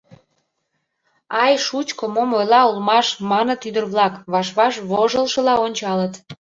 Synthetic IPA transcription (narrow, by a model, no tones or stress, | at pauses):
ɑjʃut͡ɕkomomojlɑulmɑʃmɑnə̆t̪yd̪ərβlɑkβɑʃβɑʃβoʒəlʃə̆lɑonʲt͡ɕɑlət̪